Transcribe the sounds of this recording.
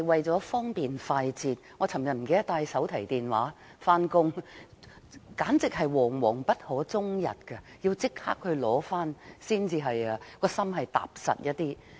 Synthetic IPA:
jwɐ˨jt͡sɔː˨˥fɔː˥ŋpiː˨nfaː˧jt͡siː˨˧t̚ŋɔː˨˧t͡sʰɐ˨˩mjɐ˨t̚m̩˨˩ke˧jt̪aː˧jsɐ˨˥wt̪ʰɐ˨˩jt̪iː˨nwa̰ː˨˥ | faː˥nkʊ˥ŋ | kaː˨˥nt͡sɪ˨k̚hɐ˨jwɔː˨˩ŋwɔː˨˩ŋpɐ˥t̚hɔː˨˥t͡sʊ˥ŋjɐ̰˨t̚kɐ˧ji˧wt͡sɪ˥k̚ha̰ː˥k̚hɵ˧ɥlɔː˨˥faː˥nsiː˥nt͡siː˧ɦɐ˨jɐ˧˩kɔː˧sɐ˥mɦɐ˨jt̪a̰ː˨p̚sɐ̰˨t̚jɐ˥t̚t̪ːiː˥

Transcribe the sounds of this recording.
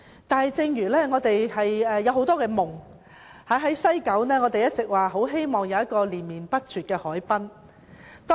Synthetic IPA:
t̪aː˨nɦɐ˨˧jt͡sɪ˧ŋjyː˨˩lɛː˥ŋɔː˨˧t̪e˨jhɐ˨jɛː˨jɐ˨˧wɦo˨˥wt̪ɔː˥kɛː˧mʊ˨˩ŋ | haː˨˥ɦɐ˨˥jsɐ˥jkɐ˨˥wnɛː˥ŋɔː˨˧t̪e˨jɐ˥t̚t͡sɪ˨k̚waː˨ɦo˨˥wɦe˥jmɔː˨˩ŋjɐ˨˧wjɐ˥t̚kɔː˧liː˨˩nmiː˨npɐ˥t̚t͡syː˨t̚kɛː˧hɔː˨˥jpɐ˥n | t̪ɔː˥

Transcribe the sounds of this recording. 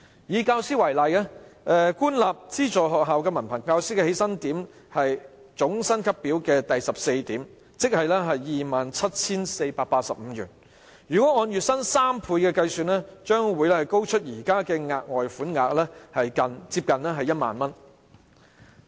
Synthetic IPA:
jiː˨˧kaː˧wsiː˥wɐ˨˩jlɐ˨jɛ˥ʔɛː˨˧kuː˥nlaː˨p̚t͡siː˥t͡sɔː˨ɦɔː˨k̚ɦaː˨wkɛː˧mɐ˨˩npʰɐ˨˩nkaː˧wsiː˥kɛ˧he˨˥jsɐ˥nt̪iː˨˥m | hɐ˨jt͡sʊ˨˥ŋsɐ˥nkʰɐ˥pːiː˨˥wkɛː˧t̪ɐ˨jsɐ˨p̚se˧jt̪iː˨˥m | t͡sɪ˥k̚hɐ˨jlɛː˥ɦɐ˨jːiː˨maː˨nt͡sʰɐ˥t̚t͡sʰiː˥nse˧jpaː˧k̚paː˧t̚sɐ˨p̚m̩˨˧jyː˨˩n | jyː˨˩kʷɔ˨˥ŋɔː˧njyː˨t̚sɐ˥nsaː˥mpʰuː˧jkɛː˧kɐ˧jsyː˨nlɛː˥t͡ʃœː˥ŋwuː˨˧jlɛ˥hɐ˨˩jko˥wt͡ʃʰɵ˥t̚jiː˨˩kaː˥kɛː˧ŋaː˨˧k̚ŋɔː˨jfuː˨˥nŋaː˨k̚lɛː˥hɐ˨jkɐ˨nt͡siː˧p̚kɐ˨nɛː˥ɦɐ˨jɐ˥t̚ma̰ː˨nmɐ˥n

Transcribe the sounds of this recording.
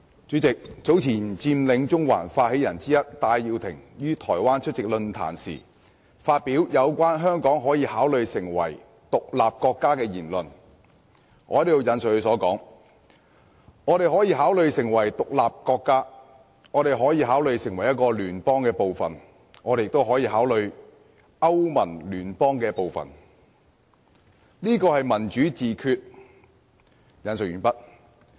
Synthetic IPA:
t͡ʃyː˨˥t͡sɪ˨k̚t͡so˨˥wt͡sʰiː˨˩nt͡siː˧mlɪ˨˥ŋt͡sʊ˥ŋwa̰ː˨˩nfaː˧t̚he˨˥jɐ˨˩nt͡siː˥jɐ˥t̚t̪aː˧jːiː˧wt̪ʰɪ̰˨˩ŋjyː˥t̪ʰɔː˨˩jwaː˥nt͡ʃʰɵ˥t̚t͡sɪ˨k̚lɵ˧nt̪ʰa̰ː˨˩nsḭː˨˩ | faː˧t̚piː˨˥wjɐ˨˧wkʷaː˥nɦœː˥ŋkɔː˨˥ŋɦɔː˨˥jiː˧haː˨˥wlɵ˨˧ɥsɪ˨˩ŋwɐ̰˨˩j | t̪ʊ˨k̚laː˨p̚kɔː˧kːaː˥kɛː˧jiː˨˩nlɵ˨n | ŋʔɔː˧˥tjo˨˧jɐ˨˥ns̚hɵ˧sɔː˨˥kɔ̰ː˨˥ŋ | ŋɔː˨˧ɾe˨jɦɔː˨˥jiː˧ɦaː˨˥wlɵ˨˧ɥsɪ˨˩ŋwɐ˨˩jt̪ʊ˨k̚laː˨p̚kɔː˧kːaː˥ | ŋɔː˨˧ɾe˨jɦɔː˨˥jiː˧ɦaː˨˥wlɵ˨˧ɥsɪ˨˩ŋwɐ˨˩jɐ˥t̚kɔː˧lyː˨˩npɔː˥ŋkɛː˧po˨wfɐ˨n | ŋɔː˨˧˥e˨jɪ˨kt̪o˥wɦɔː˨˥jiː˧ɦaː˨˥wlɵ˨ɥ | ʔɐ˥wmɐ˨˩nlyː˨˩npɔː˥ŋkɛː˧po˨wfɐ̰˨n | liː˥kɔː˧hɐ˨jmɐ˨˩nt͡ʃyː˨˥t͡siː˨kʰyː˧t̚ | jɐ˨˥ns̬ɵ˨k̚yː˨npɐ˥t̚

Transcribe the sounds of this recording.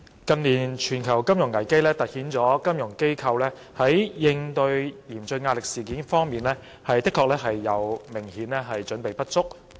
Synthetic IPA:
kɐ˧nliː˨˩nt͡ʃʰyː˨˩nkʰɐ˨˩wkɐ˥mjʊ˨˩ŋːɐ˨˩jke˥jlɛː˥t̪ɐ˨t̚hiː˨˥nt͡sɔː˨˥kɐ˥mjʊ˨˩ŋke˥jkʰɐ˧wlɛː˥ | hɐ˨˥jjɪ˧ŋt̪ɵ˧ɥjiː˨˩mt͡sɵ˧ŋaː˧t̚lɪ˨k̚siː˨˩kiː˨˥nfɔː˥ŋmiː˨nlɛː˥ | hɐ˨jt̪ɪ˥kʰːɔː˧k̚lɛː˥ɦɐ˨jːɐ˨˧wmɪ˨˩ŋhiː˨˥nlɛː˥ɦɐ˨jt͡ʃɵ˨˥npe˨jpɐ˥t̚t͡sʊ˥k̚

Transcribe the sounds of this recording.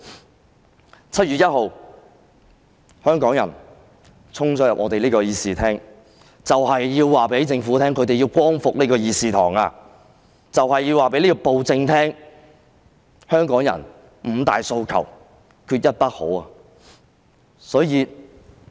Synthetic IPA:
t͡sʰɐ˥t̚jyː˨t̚jɐ˥t̚ho˨w | hœː˥ŋkɔː˨˥ŋjɐ̰˨˩n | t͡sʰʊ˥ŋsɔː˥jɐ˨p̚ŋɔː˧te˨jliː˥kɔː˧jiː˨siː˨˧t̪ʰɛː˥ŋ | t͡sɐ˨whɐ˨jːiː˧wwaː˨pe˨˥jt͡sɪ˧ŋfuː˨˥t̪ʰɛː˥ŋkʰɵ˨˧˥t̪e˨ji˧wkʷɔː˥ŋfʊ˨k̚liː˥kɔː˧jiː˧siː˨t̪ʰɔ̰ː˨˩ŋaː˧ | t͡sɐ˨whɐ˨jːiː˧waː˨˩pe˨˥liː˥kɔː˧po˨wt͡sɪ˧ŋt̪ʰɛː˥ŋ | hœː˥ŋkɔː˨˥ŋjɐ̰˨˩n | m̩˨˩t̪a̰ː˨jso˧wkʰɐ̰˨˩w | kʰyː˧t̚jɐ˥t̚p̪ɐ˥k̚ho̰˨˥wɐː˨ | sɔː˨˥jiː˨˧

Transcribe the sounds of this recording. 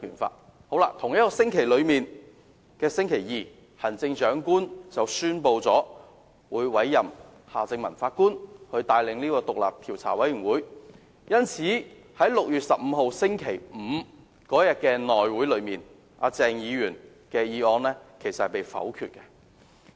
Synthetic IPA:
yː˨˩nfa̰ː˧t̚ | ho˨˧˥wla̰ː˧t̪ʰʊ˨˩ŋjɐ˥t̚kɔː˧sɪ˥ŋkʰe˨˩jlɵ˨˧ɥmiː˨n | kɛː˧sɪ˥ŋkʰe˨˩jiː˨ | hɐ˨˩nt͡sɪ˧ŋt͡ʃœː˨˥ŋkuː˥nt͡sɐ˨wsyː˥npo˧wt͡sɔː˨˥ | wuː˨˧jwɐ˨˥jːɐ˨mhaː˨t͡sɪ˧ŋmɐ˨˩nfaː˧t̚kuː˥nhɵ˧ɥt̪aː˧jlɪ˨˧ŋliː˥kɔː˧t̪ʊ˨k̚la̰ː˨p̚t̪ʰiː˨˩wt͡sʰaː˨˩wɐ˨˥jyː˨˩ŋwuː˨˥j | jɐ˥nt͡sʰiː˨˥ | hɐ˨˥jlʊ˨k̚jyː˨t̚sɐ˨p̚m̩˨˧ɦo˨wsɪ˥ŋkʰe˨˩jm̩ː˨˧ | kɔː˨˥jɐ˨t̚kɛː˧nɔː˨jwuː˨˥jlɵ˨˧ɥmiː˨n | ʔa̰˨˧t͡sɛː˨˧ŋjiː˨˧jyː˨˩n | kɛː˧jiː˧ɔː˧nlɛː˥kʰe˨˩jsɐt̚hpe˨jfɐ̰˨˥wkʰy̰ː˨t̚kɛ˧

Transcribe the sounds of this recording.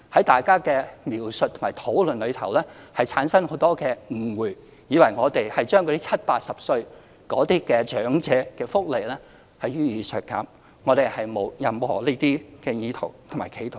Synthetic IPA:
hɐ˨˥jt̪aː˨jkaː˥kɛː˧miː˨˩wsɵ˨t̪ʰʊ˨˩maː˨˩jt̪ʰo˨˥wlɵ˨nlɵ˨˧ɥt̪ʰɐ˨˩wlɛː˥hɐ˨jt͡sʰaː˨˥nsɐ˥ŋho˨˥wt̪ɔː˥kɛː˧ŋ̩˨˩wuː˨˩ | jiː˨˧˥wɐ˨˩jŋɔː˨˧t̪e˨jhɐ˨jt͡ʃœː˥ŋkʰːti˥t͡sʰɐ˥t̚paː˧t̚sɐ˨p̚sɵ˧ɥ | kɔː˨˧˥t̪iː˥kɛː˧t͡ʃœː˨˥ŋt͡sɛː˨˧kɛː˧fʊ˥k̚le˨jlɛː˥ | hɐ˨jyː˥jiː˨˧sœː˨˩t̚kːaː˨˥m | ŋɔː˨˧t̪e˨jhɐ˨jmo˨˧wjɐ˨mhɔ̰ː˨˩leː˥t̪iː˥kɛː˧jiː˨˧t̪ʰo˨˩wt̪ʰmaː˨˩jkʰe˨˧˩jt̪ʰo˨

